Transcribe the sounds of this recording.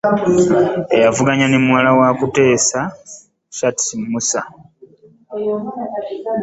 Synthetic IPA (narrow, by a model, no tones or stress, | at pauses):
ejavuɡaɲanimuwalawakute̞ːsa | satʰimusa